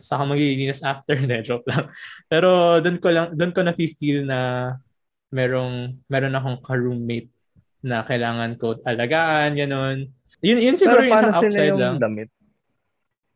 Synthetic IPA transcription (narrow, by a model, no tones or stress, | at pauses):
sɐkomɐɡiiliːnɐsʔaft̪ɛɹd̪ɛd̪ɾop̚lɐŋpɛːɾo̞d̪onkolɐŋd̪onkonɐkifilnɐ | mɛːɾo̞ŋmɛːɾo̞nɐko̞ŋkɐɹuːmɪt̪̚ | nɐkɐjlaːŋɐnkod̪̚ʔɐlɐɡaːʔɐnɡɐno̞n | jʊnjʊnsɪaɾɪsaawɪlsajd̪lɐŋd̪ɐmɪt̪̚